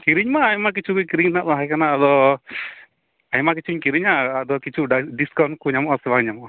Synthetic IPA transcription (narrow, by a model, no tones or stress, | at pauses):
kiɾiɲmaːjmak̬it͡ʃukukiɾiɲnaʔd̪ɔɦakanaːd̪ɔ | ɐjmak̬it͡ʃuɲkiɾiɲaːd̪ɔkit͡ʃuɖiskawnkuɲamɔʔɔsɛʋaɡɲamɔʔ